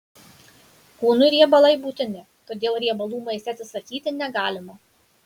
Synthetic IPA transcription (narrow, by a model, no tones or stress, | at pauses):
kuːnʊɾʲiɛbɐlˠɐɪbuːt̪ʲɪnʲɪ | t̪oːd̪ʲeːlˠɾʲiɛbɐlˠuːmɐɪsʲɛt̪sʲɪsɐkʲiːt̪ʲɪnʲɛɡɑːlʲɪmo